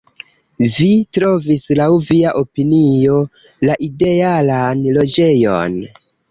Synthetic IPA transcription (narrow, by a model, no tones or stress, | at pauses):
vitɾo̞vislawviaʔopinio̞ | laʔide̞alanlo̞d͡ʒe̞jo̞̰n